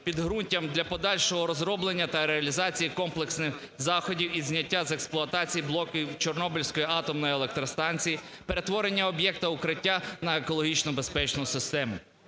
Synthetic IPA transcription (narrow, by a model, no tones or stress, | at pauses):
pʲid̪ɦɾunʲtʲɐmd̪lʲɐpɔd̪ɑlʲʃɔɦɔɾɔzɾɔblˠenʲːɐt̪ɐɾeɐlʲizɑt͡sʲijikɔmplˠeksnɪx | zɑxɔdʲiwizʲnʲɐtʲːazeksplˠʊɐt̪ɑt͡sʲijiblˠɔkʲiwt͡ʃɔrnɔbɪlʲsʲkɔjiɑt̪ɔmnɔjielˠek̚t̪ɾɔst̪ɑnʲt͡sʲijipe̞ɾe̞t̪ʋɔɾenʲːɐɔbjɛk̚t̪ɐʊkɾɪtʲːanɐekɔlˠɔɦʲit͡ʃnɔbespɛt͡ʃnʊsɪst̪ɛmʊ